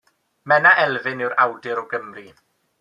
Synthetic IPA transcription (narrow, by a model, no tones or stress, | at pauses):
mɛnaʔɛlˠvɪnɪwɾawdɪɾɔɡəmri